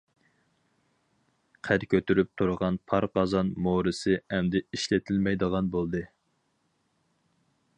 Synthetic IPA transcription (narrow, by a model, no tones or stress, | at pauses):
qʰæɾkʲʰøt̪ʰyɾyp̚t̪ʰuɾəʁɑnpʰɑɾqɑzɑnmoɾɨsɨɛmd̪ɪiʃlɪt̪ʰɪlmɛjd̪əʁɑnbolˠd̪ɨ